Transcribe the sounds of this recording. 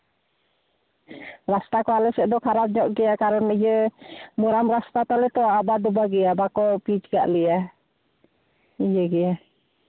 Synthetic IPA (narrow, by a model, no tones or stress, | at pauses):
ɾast̪akɔalɛsɛʔd̪ɔkʰaɾap̚d͡ʒɔʔɡɛakaɾɔnijəmuɾamɾast̪at̪alɛt̪ɔabad̪ubaɡɛabakɔpid͡ʒɡa̰ʔlia | ijəɡɛa